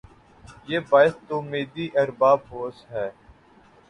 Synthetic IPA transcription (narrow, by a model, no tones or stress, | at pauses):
jeːbaːɪst̪oːmeːd̪iːʔɐɾbaːb̚ɦoːsɦɛː